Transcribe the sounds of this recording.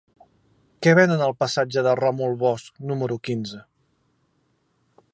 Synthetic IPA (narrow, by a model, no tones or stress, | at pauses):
kɛβɛnənəlˠpəsad͡ʒəðəramulˠβɔsknuməɾukinzə